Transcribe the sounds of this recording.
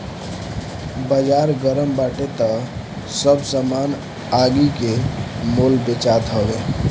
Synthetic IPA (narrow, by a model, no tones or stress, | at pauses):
bəd͡ʒaɾɡəɾəmbaʈet̪ə | səbsəman | aɡikemolbet͡ʃat̪ɦəbe